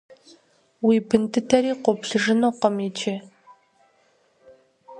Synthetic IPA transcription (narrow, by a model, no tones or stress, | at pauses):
wiːpʰɨntʰɨtʰɐɾiːqʷopɬɨʐɨnoːqɔmit͡ʃʰe